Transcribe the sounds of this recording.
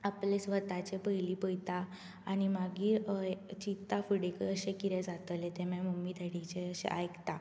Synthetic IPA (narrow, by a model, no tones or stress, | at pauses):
aplesʋət̪at͡ɕepəjlipəjt̪aː | ñimaɡiːt͡ɕit̪afəɽekəəɕẽkiɾẽd͡zat̪əlet̪emẽməmid̪ʱəɽit͡ɕeəɕḛʔajkt̪a